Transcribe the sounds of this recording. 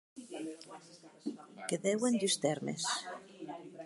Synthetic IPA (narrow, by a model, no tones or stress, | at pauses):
keðewend̪yst̪eɾmḛs